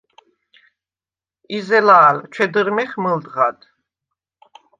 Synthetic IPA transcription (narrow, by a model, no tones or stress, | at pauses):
izɛlaːlt͡ʃʰɛd̪əɾmɛχməld̪ʁad̪